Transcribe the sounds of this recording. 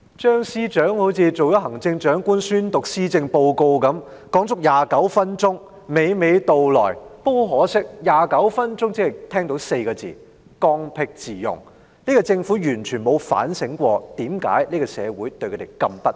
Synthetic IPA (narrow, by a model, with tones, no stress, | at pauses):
t͡ʃœː˥ŋsiː˥t͡ʃœː˨˥ŋho˨˥wt͡sʰiː˨˧t͡so˨wjɔ˨˥ɦɐ˨˩ŋt͡sɪ˧ŋt͡ʃœː˨˥ŋkʷuː˥nsyː˥nt̪ʊ˨k̚siː˥t͡sɪ˧ŋpo˧wko˧wkɐ˨˥mkɔː˨˥ŋt͡sʊ˥k̚jaː˨kɐ˨˥wfɐ˥nt͡ʃʊ˥ŋ | me˨˥jme˨˧jt̪o˨wlɔ̰ː˨˩jpo˥wɦɔː˨˥sɪ˥k̚jaː˨˩kɐ˨˥wfɐ˥nt͡ʃʊ˥ŋt͡si˥hɐ˨jt̪ʰɛː˥ŋt̪o˨˧˥wse˧jkɔː˧t͡sḭː˨˩ | kɔː˧ŋpʰɪ˧k̚t͡siː˨˩jʊ̰˨˩ŋ | niː˥kɔ˧t͡sɪ˧ŋfuː˨˥jyː˨˩nt͡ʃʰyː˨˩nmo˨˧wfa̰ː˨˥nsɪ˨˥ŋkʷɔː˧t̪iː˨˥mka̰ː˨˥jniː˥kɔ˧sɛ̰ː˨˧wuː˨˥jt̪ɵ˧kʰɵ˨˧t̪e˨˩kɐ˧mpɐ˦˥t̚